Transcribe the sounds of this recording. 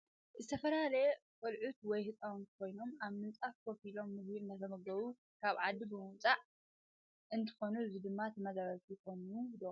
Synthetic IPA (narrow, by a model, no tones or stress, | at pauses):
zɨt̪ʰɐfɐlalɐkʼɨlʕut̪wɔjhɨt͡sʼawnkʰo̞jno̞maβmɨnt͡sʼafkʰokilo̞mːɨzbiɨnd̪ʰɐzʰɐmɐɡɐβu | kʰaβʕad̪ːibɨmɨwt͡sʼaʕ | ɨnt̪ʰɨ̥xo̞nuɨzid̪ɨmːat̪ʰɨmɐzaβɐt̪jɪkʰo̞nud̪o